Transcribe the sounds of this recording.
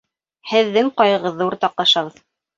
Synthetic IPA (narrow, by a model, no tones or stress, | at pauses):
hɘ̆ðːɘŋqɑjɤ̆ʁɤðːɤuɾt̪ɑq̚lˠɑʃɑβɤð̥